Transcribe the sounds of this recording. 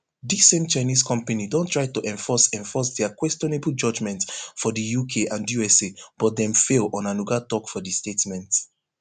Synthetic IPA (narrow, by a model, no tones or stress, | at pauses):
disɛ̃nt͡ʃaɪniskʰɔ̃mpanidõntʰɹaɪtuʔɛ̃ɱfɔsɛ̃ɱfɔsdɛakwɛstɔnebl̩ˠd͡ʒɔd͡ʒmɛ̃ntfɔdəjukʰeʔãndjuɛseb̥ɔt̚dɛ̃mfelˠɔ̃nanuɡatɔkfɔdəstetmɛ̃nt